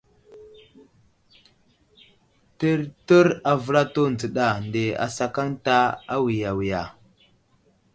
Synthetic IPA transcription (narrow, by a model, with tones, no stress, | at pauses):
tə˦ɾtə˦ɾa˨və˦ɾa˦to˦nd͡zə˨ɗa˨nde˨a̰˨sa˨ka˦ŋta˦a˦wi˨ja˨wi˨ja˨